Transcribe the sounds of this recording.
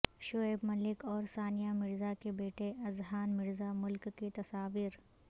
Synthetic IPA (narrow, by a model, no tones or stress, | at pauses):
ʃoeːbmɐlɪkɔːɾsaːnijamɪɾzakebeːʈeʔɐzɦaːnmɪɾzamʊlkːet̪ɐsaːʋiːɾ